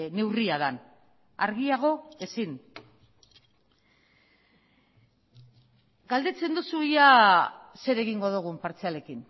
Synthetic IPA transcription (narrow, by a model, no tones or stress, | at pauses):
ne̞wriaðan | a̰ɾɣiaɣ̞o̞e̞sin | ɡald̪e̞t͡se̞nd̪usuiase̞ɾe̞ɣiŋɡo̞ðuɣ̞umpaɾt͡siale̞kin